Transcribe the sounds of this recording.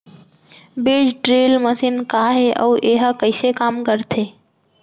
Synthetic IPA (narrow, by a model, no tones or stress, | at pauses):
beːd͡ʒʈɾeːlməsinkaɦeʔə̰ːʔeːɦəkəɪsekaːmkəɾt̪ʰe